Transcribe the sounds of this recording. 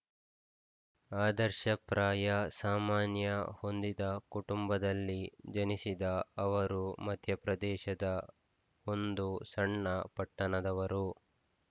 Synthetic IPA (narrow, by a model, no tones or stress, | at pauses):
aːd̪ɐɾʃɐpɾaːjɐsaːmaːnjɐho̞nd̪id̪ɐkuʈumbɐd̪ɐlːid͡ʒɐnisid̪ɐɐʋɐɾumɐd̪ʱjɐpɾɐd̪ɛːʃɐd̪ɐ | o̞nd̪usɐɳːɐpɐʈːɐnɐd̪ɐʋɐɾu